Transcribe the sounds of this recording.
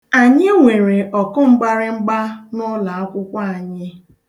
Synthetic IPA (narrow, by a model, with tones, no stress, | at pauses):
a˨ɲɪ˦ŋʷe˨ɾe˨ʔɔ˨kʊ˦ŋ͡m̩˦ɡ͡ba˦ɾɪ˦ŋ͡m̩˦ɡ͡ba˦nʊ˦la˨a˦kʷʊ˦kʷa˦a˨ɲɪ˦